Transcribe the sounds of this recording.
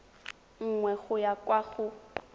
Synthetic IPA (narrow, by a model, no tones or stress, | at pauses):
ŋ̩ŋwɛɣʊjakʼwaɣʊ